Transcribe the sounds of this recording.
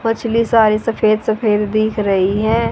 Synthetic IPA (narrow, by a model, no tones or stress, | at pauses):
mɐt͡ʃʰlisaːɾisɐfeːd̪sɐfeːd̪d̪iːkʰɾɐɦiɦɛ̃ː